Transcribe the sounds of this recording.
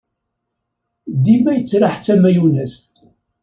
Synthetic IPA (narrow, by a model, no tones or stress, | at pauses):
d̪imæjət͡sːɾaħt͡sːæmæjunæst̪